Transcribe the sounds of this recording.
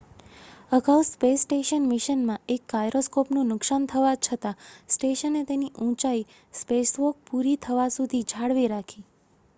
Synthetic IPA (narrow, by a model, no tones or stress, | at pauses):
əɡawspesʈeʃənmiʃənmãekːajɾoskopnũnʊksant̪ʰəʋat͡ʃʰət̪asʈeʃənːet̪eniʔũt͡ʃai | spesʋok̚puɾit̪ʰəʋasud̪ʱid͡ʒʱaɽʋiɾakʰi